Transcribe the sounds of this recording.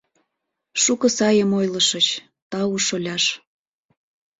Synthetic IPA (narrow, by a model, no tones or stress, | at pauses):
ʃukɤ̆sɑjəmojlɤʃə̆t͡ɕ | t̪ɑuʃolʲɑʃ